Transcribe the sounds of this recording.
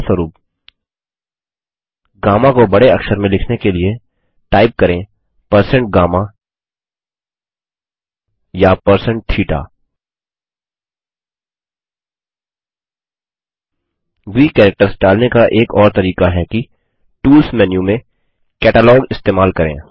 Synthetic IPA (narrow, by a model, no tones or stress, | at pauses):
səɾuːp | ɡaːmãkobɐɽeɐkʃəɾmẽlɪkʰnekelie | ʈaːɪp̚kɐɾẽ | pɐɾsə̃ɳʈ̚ɡaːmã | japəɾsə̃ɳʈ̚ʈʰiːʈa̰ː | ɡiːkɛːɾɛk̚ʈəɾsɖaːlnekaʔeːkɔːɾt̪ɐɾiːkaɦɛki | ʈuːlsmɛːnjũmẽ | kɛːʈaːlɔːɡɪst̪eːmaːlkɐɾḛ̃ː